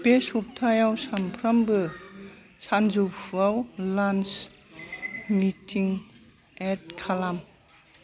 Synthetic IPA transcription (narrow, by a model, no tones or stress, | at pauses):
pesup̚tʰajawsampʰɾambɯ | sanzupʰuawlans | mitʰiŋ | et̚kʰalam